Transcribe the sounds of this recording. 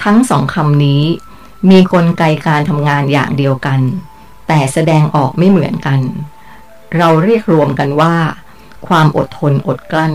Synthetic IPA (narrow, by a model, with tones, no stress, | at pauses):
t̪ʰa˦˥ŋsɔː˩˦ŋkʰa˧mniː˦˥ | miː˧kʰo˧nka˧jkaː˧nt̪ʰa˧mŋaː˧nja̰ː˨˩ŋdi˧əwka˧n | t̪ɛː˨˩sa˧dɛː˧ŋʔɔː˨˩k̚ma˥˩jmɯ˩˦ənka˧n | ɾa˧wɾiː˥˩ək̚ɾu˧əmka˧nwaː˥˩ | kʰwaː˧mʔo˨˩t̪ʰːo˧nʔo˨˩t̪̚kla˥˩n